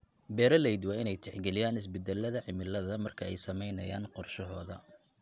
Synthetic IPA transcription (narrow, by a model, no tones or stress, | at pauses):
bɛːɾɐlɛjd̪wɑːɪnɛjt̪ʰɪħɡɛlɪjaːnɪs̬bɛd̪ɛlːɐðɐʕɪmɪlːɐðɐmɐrkʰɐɛjsɐmɛjnɐja̰ːnqɔrʃɐɦɔːðɐ